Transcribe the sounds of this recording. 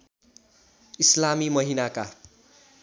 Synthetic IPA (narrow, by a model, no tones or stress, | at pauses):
islamimʌɦinaka